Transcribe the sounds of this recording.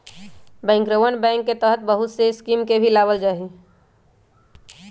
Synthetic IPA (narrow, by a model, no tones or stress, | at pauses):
bɛ̃ːŋkɾoʋənbɛ̃ːŋkːet̪əɦət̪̚bəɦʊt̪seɪskiːmkebʱilaːbəld͡ʒaːɦi